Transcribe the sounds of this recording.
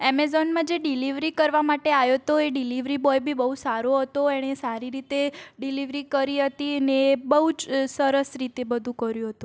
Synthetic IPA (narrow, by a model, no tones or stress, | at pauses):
ɛmezɔnmãd͡ʒeɖiliʋɾikəɾʋamaʈeaʋjot̪oeɖiliʋɾibɔjbʱibəɦusaɾoɦət̪oeɽ̃esaɾiɾit̪eɖiliʋɾikəɾiɦət̪iəneːbəɦud͡ʒsəɾəsɾit̪ebəd̪ʱũkəɾjũɦət̪ũ